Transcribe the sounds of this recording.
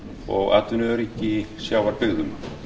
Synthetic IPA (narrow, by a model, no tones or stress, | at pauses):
ɔ̰ɣa̰t̪ʏnɛɾihcːɪsjaːwvaɾpɪɣðʏma